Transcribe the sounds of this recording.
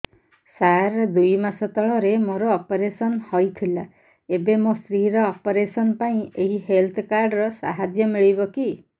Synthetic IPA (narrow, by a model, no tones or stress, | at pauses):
saɾd̪ujmasɔt̪ɔɭɔɾemoɾɔːpɔɾesɔnhɔjt̪ʰila | ebemost̪ɾiɾɔːpɔɾesɔnpaĩeɦiɦelt̪ʰkaɾɖɾɔsa̰ɦad͡ʒjɔmiɭibɔki